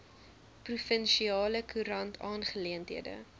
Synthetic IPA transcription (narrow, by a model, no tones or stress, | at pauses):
prufənʃiɑːləkʰuɾɐntʰɑːnχəliəntɦiədə̰